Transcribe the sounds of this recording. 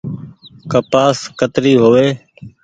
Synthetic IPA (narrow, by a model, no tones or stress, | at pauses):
kəpaːskət̪ɾiːɦoːʋeː